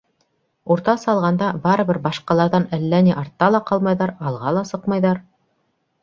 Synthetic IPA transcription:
uɾt̪ɑsɑlˠʁɑnd̪ɑbɑɾɤ̆bɘɾbɑʃqɑlˠɑɾðɑnælːæniʔɑɾt̪ːɑlˠɑqɑlˠmɑjðɑɾɑlˠʁɑlˠɑsɤqmɑjðɑɾ

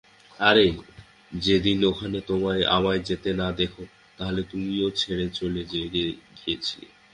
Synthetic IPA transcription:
aɾe | d͡ʑed̪inokʰanet̪omaea̰maed͡ʑet̪enad̪ekʰo | t̪aɦolet̪umiot͡ɕʰeɽet͡ɕoled͡ʑeɡeɡʱijet͡ɕʰilḛ

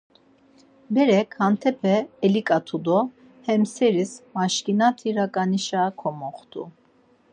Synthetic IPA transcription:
bɛɾɛkʰhant̪ʰɛpʰɛːlikʼat̪ʰud̪ɔ | hɛmsɛɾismaʃkʼinat̪ʰiɾakʼaniʃakʰɔmɔχt̪ʰṵ

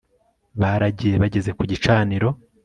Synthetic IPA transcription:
βaɾaɟije̞βaɟe̞ze̞kuɟit͡ʃaːniɾo̞

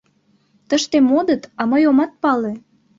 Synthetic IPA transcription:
t̪əʃt̪emod̪ət̪ɑməjomɑt̪̚pɑle

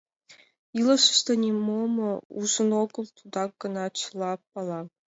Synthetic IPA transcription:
ilˠɤʃə̥̆ʃt̪ɑnʲemomɤ̆uzə̆noɡɤ̆lˠt̪ʰud̪ɑɡɤ̆nɑt͡ɕɤlˠɑpːɑlˠɑ

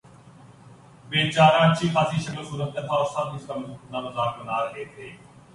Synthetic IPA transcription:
ɓeːt͡ɕaːɾãːt͡ʃiːxaːsiːʃəklosuːɾət̪̚ət̪ʰãːsãːnɪst̪əməlnãːbəzaːɾbənaːɾɐɦeːt̪ʰeː

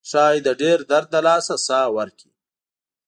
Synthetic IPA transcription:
ʃɑːjd̪əɖeɾd̪aɾd̪̚ːəlɑːsasɑːwəɾkʰi̥̰

